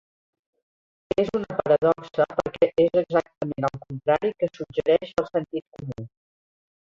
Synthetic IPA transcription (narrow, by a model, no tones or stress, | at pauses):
ezunəpəɾəðɔksəpəɾkɛʔezəɡzak̚t̪əmenəlˠkunt̪ɾaɾikəsud͡ʒəɾɛʃəlˠsənt̪it̪̚kumu